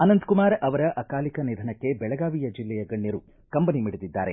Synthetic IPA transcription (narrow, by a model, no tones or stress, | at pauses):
ɐnɐnd̪kumaːɾɐʋɐɾɐʔɐkaːlikɐnid̪ʱɐnɐkːe̞bɛɭɐɡaːʋijɐd͡ʒilːɛjɐɡɐɳːjɐɾu | kɐmbɐnimiɽud̪id̪ːa̰ːɾe̞